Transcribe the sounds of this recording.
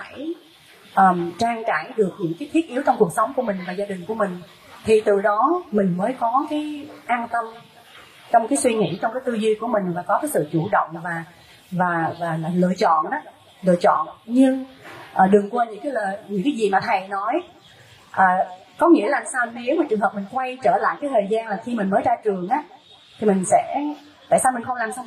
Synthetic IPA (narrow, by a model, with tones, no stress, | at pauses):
faː˧˩j | ʔəː˨˩mt͡ɕaː˧ŋkaː˧˩jɗɨ˨˩ək̚ɲɨ̰˧˥ŋkaː˨˦t̪ʰi˦˥ət̚ʔi˨˦wt͡ɕɔ˧wŋ͡mku˨˩ək̚sə˨˦wŋ͡mku˧˩əmï˨˩ŋ̟vaː˨˩zaː˧ɗï˨˩ŋ̟ku˧˩əmï˨˩ŋ̟ | t̪ʰi˨˩t̪ɨ˨˩ɗɔ˨˦mï˨˩ŋ̟məː˨˦jkɔ˨˦kaː˨˦jʔaː˧nt̪ə˧m | t͡ɕɔ˧wŋ͡mkaː˨˦jswi˧ŋḭ˧˥t͡ɕɔ˧wŋ͡mkaː˨˦t̪ɨ˧zi˧ku˧˩əmï˨˩ŋ̟vaː˨˩kɔ˨˦kaː˨˦jsɨ̰˧˨t͡ɕu˧˩ɗə̰˧˨wŋ͡mvaː˨˩ | vaː˨˩vaː˨˩laː˨˩lɨ̰˧˨t͡ɕɔ̰˧˨nʔaː˨˦ | lɨ̰˧˨ət͡ɕɔ̰˧˨nɲɨ˧ŋʔəː˨˩ɗɨ˨˩əŋkwa˧ɲɨ̰˧˥ŋkaː˨˦jləː˨˩ɲɨ̰˧˥ŋkaː˨˦jzi˨˩maː˨˩t̪ʰə˨˩jnɔ˨˦j | ʔəː˨˩ | kɔ˨˦ŋḭ˧˥əlaː˨˩msaː˧wne˨˦wmaː˨˩t͡ɕɨ˨˩əŋɦəː˨˩p̚mï˨˩ŋ̟kwa˧jt͡ɕəː˧˩la̰ː˧˨jkaː˨˦jt̪ʰəː˨˩jzaː˧nlaː˨˩xi˧mï̟˨˩məː˨˦jtaː˧t͡ɕɨ˨˩əŋʔaː˨˦ | t̪ʰi˨˩mï˨˩ŋ̟sɛ̰˧˥ | t̪a̰ː˧˨jsaː˧mi˨˩xə˧wŋ͡mlaː˨˩msa˧w